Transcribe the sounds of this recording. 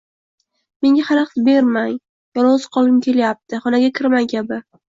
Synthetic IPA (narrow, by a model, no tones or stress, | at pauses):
me̞ŋɡʲahaɾɑqt̪be̞ɾmaŋ | jɒɾozqʰɒlˠɪmkʲʰe̞ljap̚t̪ʰɪχɒnaɡʲakʲʰɪɾmaŋkʲʰabɪ